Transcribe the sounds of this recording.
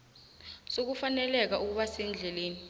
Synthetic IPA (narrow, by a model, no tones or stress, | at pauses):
sok̬ufanɛlɛk̬aʔuk̬uɓasɛnd͡ɮʱɛleːni